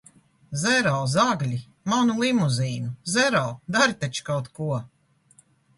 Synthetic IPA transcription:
zɛɾɔwzaɡlʲi | manulˠimuziːnuzɛɾɔwd̪aɾit̪at͡ʃi̥kawt̪kuɔ

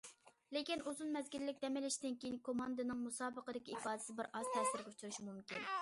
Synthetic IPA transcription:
lɪkʲinuzunmɛzɡʲilːɪk̚ʲd̪ɛmɪlɪʃd̪ɪnkʲejinkʰomɑnd̪ɨnɨŋmusɑːbəqəd̪ɪkʲiipɑːd̪ɪsɪbɪɾʔɑz̥t̪ʰɛsɪɾɡʲɛut͡ʃʰuɾuʃmumkʲin

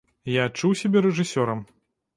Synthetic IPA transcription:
jaːt͡ʂːuwsʲabʲɛɾɛʐɨsʲɔɾɐm

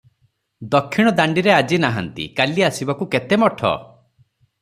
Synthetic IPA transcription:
d̪ɔkʰːiɽ̃ɔd̪aɳɖiɾead͡ʒinaɦant̪ḭkaliasibakuket̪emɔʈʰɔ̰

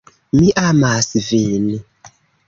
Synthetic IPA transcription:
miʔamasvini

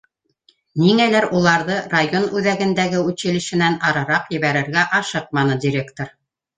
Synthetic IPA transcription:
niŋælæɾulˠɑɾðɤrajonʉðæɡɘ̆nd̪æɡɘʉɕɘ̆lɘ̆ʃɘ̆nænɑɾɑɾɑqjɘ̆βæɾɘ̆ɾɡæʔɑʃɤq̚mɑnɤdʲiɾʲekt̪oɾ

